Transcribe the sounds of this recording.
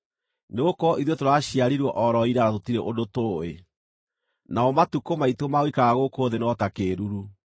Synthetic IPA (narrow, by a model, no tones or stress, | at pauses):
neokɔʔiðɔtoɾaɕiaɾiɾwɔʔɔɾɔiɾanatotiɾeʔodotoe | naɔmatukomaitomaoikaɣaɣokoːðenɔtakeːɾuɾu